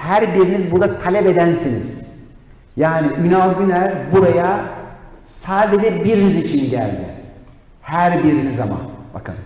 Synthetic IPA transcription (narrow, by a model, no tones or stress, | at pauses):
hæɾbiɾinizbuɾd̪at̪ʰalʲɛbed̪ænsinḭz̥ | jaːniʔynalɟʲynæɾbuɾaja | saːd̪ed͡ʒɛbiɾinizit͡ʃʰinɟæ̰lʲd̪ɪ̰ | hæɾbiɾiniza̰ma̰ba̰kʰɯ̰m